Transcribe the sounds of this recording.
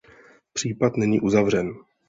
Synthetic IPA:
pr̝̥iːpat̪nɛɲḭːʔuzavr̝ɛn

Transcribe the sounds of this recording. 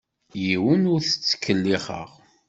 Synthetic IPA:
jiwənʊɾθə̥t͡sːə̥kːəlːiχə̰ʁ

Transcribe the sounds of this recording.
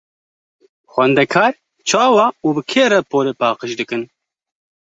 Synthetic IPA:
xwɛnd̪ɛkʰɑːɾ | t͡ʃʰɑːwɑːuːbɨkʰeːɾɛpoːleːpɑːqəʃd̪ɨkɨn

